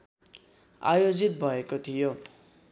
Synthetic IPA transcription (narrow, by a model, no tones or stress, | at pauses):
a̰jod͡zit̪̚bʱʌekot̪ʰijo